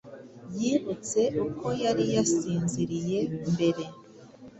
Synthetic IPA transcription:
jiːβut͡se̞ʔukʰo̞jaɾijasiːnziɾije̞mbe̞ɾe̞

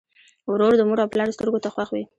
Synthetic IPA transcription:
wɾoɾd̪əmuɾawplaɾst̪əɾɡot̪axwaxwi

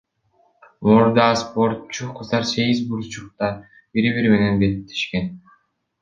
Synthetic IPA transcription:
muɾd̪ɑspo̞ɾt̪t͡ʃuqʰɯzd̪ɑɾse̞ɡizbuɾt͡ʃuq̚t̪ɑ | b̥iɾiβiɾme̞ne̞nbet̪t̪ʰːi̥ʃke̞n

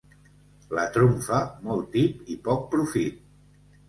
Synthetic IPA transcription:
lət̪ɾumfamɔlˠt̪ipipɔk̚pɾufit̪̚

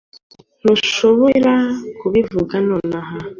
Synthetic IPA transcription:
nuʃoβoɾakuβivuɡanonaɦa

